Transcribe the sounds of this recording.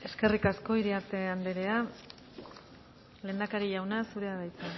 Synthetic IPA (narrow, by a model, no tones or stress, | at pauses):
e̞ske̞rikasko̞iɾiaɾt̪e̞and̪eɾe̞a | leːnd̪akaɾiʝawnasuɾe̞aðajt͡s̪e